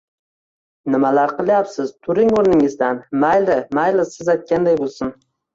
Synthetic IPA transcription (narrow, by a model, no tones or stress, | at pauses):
nɪmalaɾqʰɨlˠjapsɪz̥t̪ʰʊɾɪŋoɾnɪŋɪzd̪anmajlɪmajlɪsɪzajt̪̚kʲand̪ajbolˠsɪn